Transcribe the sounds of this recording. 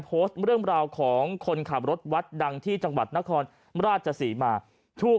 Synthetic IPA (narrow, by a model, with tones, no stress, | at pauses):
pʰoː˦˥st̪̚ɾɯ˥˩əŋɾaː˧wkʰɔː˩˦ŋkʰo˧nkʰa˨˩p̚ɾo˦˥t̪̚wa˦˥t̪̚da˧ŋt̪ʰiː˥˩t͡ɕa˧ŋwa˨˩t̪̚na˦˥kʰɔː˧n | ɾaː˥˩t̪̚t͡ɕʰa˧siː˩˦maː˧ | t̪ʰuː˥˩